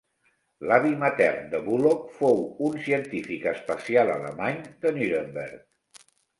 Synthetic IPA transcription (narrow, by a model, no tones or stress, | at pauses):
laβimət̪ɛ̰rnd̪əβulofowunsiənt̪ifikəspəsialə̰lə̰maɲd̪ənyɾəmbḛɾk